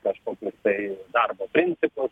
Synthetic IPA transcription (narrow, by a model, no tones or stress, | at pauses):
kɐʃkoːkʲʊst̪ɐɪd̪ɐrboːpʲɾʲɪnʲsʲɪpʊs